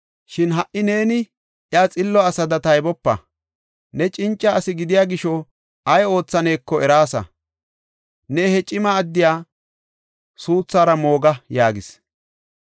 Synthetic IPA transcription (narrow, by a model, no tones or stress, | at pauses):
ʃɪnɦɐʔɪne̞ːnɪ | ʔjaːt͡sʼɪlːɔɐsɐd̪ɐt̪ɐjbɔpːɐ̰ | nɛt͡ʃʼɪnt͡ʃʼːɐːsɪɡɪd̪ɪjaːɡɪʃɔ | ʔɐjo̞ːt͡sːɐne̞ːkːɔɛɾaːsɐ̰ | nehɛt͡ʃʼɪmɐːd̪ːɪjaː | suːt͡sːaːɾɐmo̞ːɡɐjaːɡɪs